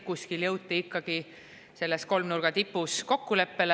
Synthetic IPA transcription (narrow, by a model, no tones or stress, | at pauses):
kuskiljɤwt̪ːiikːˑɑɡ̥i | se̞lːesko̞lmnurɡ̥ɑt̪ipːˑusko̞kːule̞pːe̞l